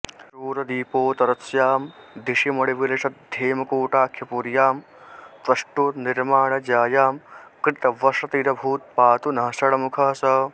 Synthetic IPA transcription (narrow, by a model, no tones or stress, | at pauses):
ɾuːɾɐd̪iːpoːt̪ɐɾɐsjaːmd̪iʂimɐɽiʋiɾɐʂɐt̪̚d̪ʱeːmɐkuːʈaːkʰjɐpuɾjaːm | t̪ɐʂʈuniɾmaːɳɐd͡ʒaːjaːmkɾɪt̪ɐʋɐʂɐt̪iɾɐbʱuːt̪̚paːt̪unɐɦɐsɐɽɐmukʰɐɦɐsɐ